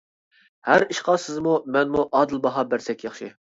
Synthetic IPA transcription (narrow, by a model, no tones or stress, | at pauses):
hæɾiʃqɑsɪzmumɛnmuʔɑːd̪ɨlˠbɑɦɑbæɾsɛkʲjɑχʃi